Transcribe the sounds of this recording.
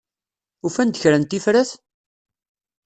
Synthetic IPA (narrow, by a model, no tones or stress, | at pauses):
ufænd̪əçɾænt̪ːifɾæθ